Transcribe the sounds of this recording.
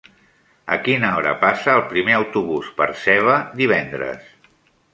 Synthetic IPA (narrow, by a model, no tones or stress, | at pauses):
ə̰kinaɔɾə̰pasəːlˠpɾimeəwt̪uβ̞uspəɾsɛβəd̪iβɛnd̪ɾə̰s